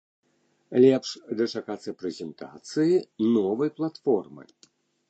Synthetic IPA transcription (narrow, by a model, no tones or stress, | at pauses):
lʲɛpʂd̪ɐt͡ʂakat̪sɐpɾɛzʲɛnt̪a̰t̪sɨjinɔvɐjplˠat̪fɔrmɨ̰